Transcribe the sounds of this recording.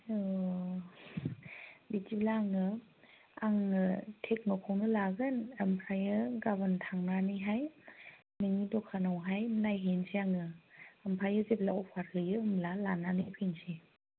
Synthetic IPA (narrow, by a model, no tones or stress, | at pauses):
ɯ | bitiblaːŋɯ | aŋɯtʰek̚nɔkʰɔwnɯlaɡɯnampʰajɯɡabɯntʰaŋnanɯjɦaj | nɯŋidɔkʰanawɦajnajɦensiaŋɯampʰajɯzep̚laɔpʰaɾɡɯjɯːmlalananɯjpʰɯnsi